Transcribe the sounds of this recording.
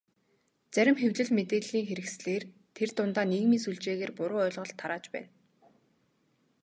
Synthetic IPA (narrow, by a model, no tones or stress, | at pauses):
t͡sæɾʲɪ̆mxewɮɘ̆ɮmet̪eːɮiːŋxeɾɘ̆ksɮeːr | t̪ʰert̪ʊnt̪aːniːɣmiːsuɮt͡ɕeːɣeːrpʊɾʊːœːɮʁɞ̆ɬt̪ʰːaɾaːt͡ɕpæ̰ːn